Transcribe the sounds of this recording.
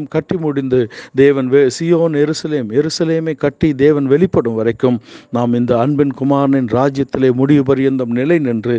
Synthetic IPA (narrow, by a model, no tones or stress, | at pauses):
mkɐʈːimʊɽɪnd̪ɯd̪eːʋɐnʋsɪjoːnjɛɾɯsɐleːmjɛɾɯsɐleːmeːkɐʈːid̪eːʋɐnʋɛɭɪpːɐɽɯmʋɐɾɐɪkːɯmnaːmɪnd̪ɐːnbɪnkʊmaːɾɐnɪnɾaːd͡ʒjɐt̪ːɪleːmʊɽɪʋɯpɐɾɪjɐnd̪ɐmnɪlɐɪnɪndrɯ